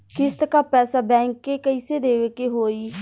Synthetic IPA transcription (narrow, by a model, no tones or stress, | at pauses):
kɪst̪kaːpɛːsaːbɛ̃ːŋkːeːkəiseːd̪eːʋeːkeːɦoːiː